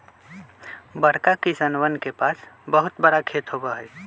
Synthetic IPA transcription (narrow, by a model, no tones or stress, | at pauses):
bəɾkakisənwənkepaːsbəɦʊt̪bəɽakʰet̪ɦobaɦɛj